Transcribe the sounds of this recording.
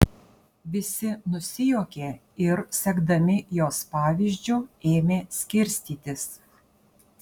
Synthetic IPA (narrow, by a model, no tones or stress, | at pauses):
ʋʲɪsʲɪnʊsʲɪjoːkʲeː | ɪɾsʲɛɡd̪ɐmʲɪjoːspɑːʋʲiːʒʲd͡ʒʲuːeːmʲeːsʲkʲɪɾʲsʲt̪ʲiːt̪ʲɪs